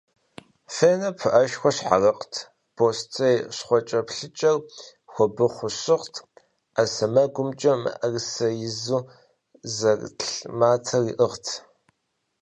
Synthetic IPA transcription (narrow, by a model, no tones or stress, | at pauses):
feːnɐpʰɨʔɐʃxʷɔɕħa̰rɐqtʰ | b̥ʰostʰejɕχʷɔt͡ʃʼɐpɬɨt͡ʃʼɐr | xʷɔbɨχʷʊɕɪʁtʰ | asɐmɐɡʷʊmt͡ʃʼɐmɨ̰ʔɐrsɐjɪzuː | zɐrɬmaːtʰɐriːʔəʁtʰ